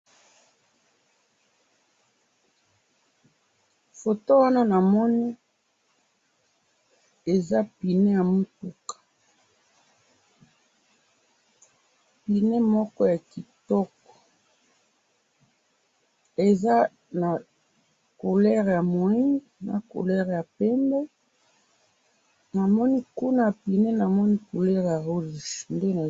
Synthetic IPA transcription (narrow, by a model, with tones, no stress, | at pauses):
fo˨to˦wa˦na˦na˨mɔ˦nɛ˦ | e˨za˦pi˨ne˦ja˨mo˦tu˨kḁ˨ | pi˨nɛ˦mɔ˦kɔ˦ja˨ki˨tɔ˦kɔ̥˨ | e˨za˦ | na˨ | ko˨lɛ˦ʁja˨mo˨i˦ŋ | na̰˨ko̰˨lɛ˦ʁja˨pɛ˦mbɛ˦ | na˨mɔ˦ni˦ku˦na˦pi˨ne˦na˨mɔ˦ni˦ko˨lɛ˦ʁja˨ʁu˦˨ʒnde˦na˨